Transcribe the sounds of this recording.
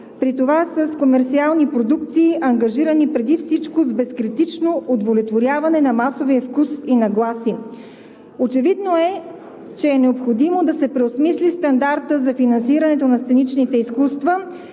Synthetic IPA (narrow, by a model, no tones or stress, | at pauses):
pɾit̪ovasəskomɛɾt̪sialˠnipɾod̪uk̚t̪siːʔɐŋɡɐʒiɾənipɾɛd̪ifsit͡ʃkozbɛskɾit̪it͡ʃnoʔod̪volɛt̪voɾʲjavɐnɛnɐmasovijəfkusinɐɡlˠasi | ot͡ʃɛvid̪noɛ | t͡ʃɛːnɛopxod̪imod̪ɐsɛpɾɛosmislist̪ɐnd̪aɾt̪əzɐfinɐnsiɾɐnɛt̪onɐst̪sɛnit͡ʃnit̪ɛiskust̪və